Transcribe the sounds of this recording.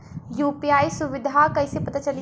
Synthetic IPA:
juːpiaːisʊʋɪd̪ʱakɐisepɐt̪at͡ʃɐli

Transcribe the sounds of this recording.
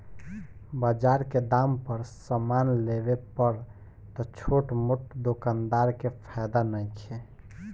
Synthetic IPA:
bəd͡ʒaɾked̪ampəɾsəmanlebepəɾ | t̪ɔt͡ʃʰoʈmuʈd̪okand̪aɾkepʰajd̪anəjt͡ʃʰe

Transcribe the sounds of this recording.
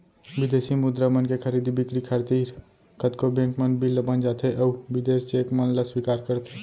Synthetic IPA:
ʋɪd̪eːsimʊd̪ɾəmənkekʰəɾiːd̪ibɪkɾikʰəɾt̪iːɾ | kət̪kobẽːŋkmənbʱilːəbənd͡ʒaːt̪ʰeʔɐubɪd̪eːst͡ʃeːkmənləswikaːɾkəɾt̪ʰe

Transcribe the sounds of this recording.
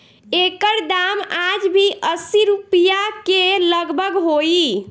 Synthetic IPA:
ekəɾd̪amad͡ʒbʱiʔəsiɾupijakeləɡbʱəɡɦoi

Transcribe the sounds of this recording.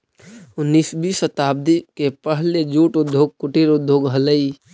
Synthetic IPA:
ʊnːiːsbiːsət̪aːb̚d̪ikepəɦled͡ʒuːʈʊd̪ʱːjoːɡ̚kʊʈiɾʊd̪ʱːjoːɡɦələi

